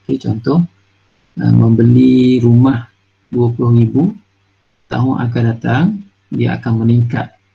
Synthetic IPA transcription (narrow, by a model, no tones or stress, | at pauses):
ket͡ʃɔnt̪ɔh | ə̰mə̃mbəliɾumah | duapulʊhribu | t̪a̰ɦʊna̰k̬andat̪aŋ | dia̰a̰kanməniŋka̰t̪̚